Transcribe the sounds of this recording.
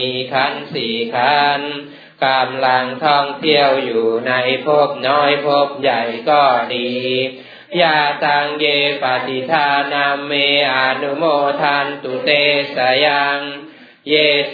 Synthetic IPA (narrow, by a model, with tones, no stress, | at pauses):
iː˧kʰa˧˥˨nsiː˨˩kʰa˦˥n | kʰaː˧mla˧ŋt̪ʰɔ˥˩ŋt̪ʰi˥˩əwjuː˨˩na˧jpʰo˦˥˩p̚nɔː˦˥jpʰo˦˥˩p̚ja˨˩jkɔː˧˥˩diː˧ | jaː˧˩t̪a˧ŋjeː˧pa˨˩t̪i˧t̪ʰaː˧na˧mːeː˧ʔa˧nu˧moː˧t̪ʰaː˧nt̪u˨˩t̪eː˧sa˨˧˦ja˧ŋ | jeː˧